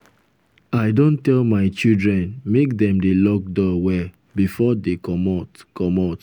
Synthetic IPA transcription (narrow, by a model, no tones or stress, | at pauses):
aɪdõntɛlmaɪt͡ʃildɹɛ̃nmek̚dɛ̃mdelɔk̚dɔwɛ | bifɔdekɔmɔtkɔmɔt